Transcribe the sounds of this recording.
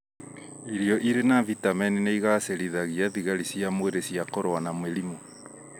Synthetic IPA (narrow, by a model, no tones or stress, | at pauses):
iɾiɔʔiɾenavitamɛnineiɣaseɾiðaɣiaðiɣaɾisiamweɾesiakoɾoanamweɾimo